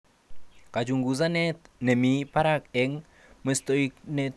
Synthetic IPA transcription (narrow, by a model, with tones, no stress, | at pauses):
ka˨t͡ʃu˨ŋɡu˨za˦nɛ˦t̪ne˨mi˨pa˦ɾa˦kɛ˦ŋ | me˨st̪o˦ikne˦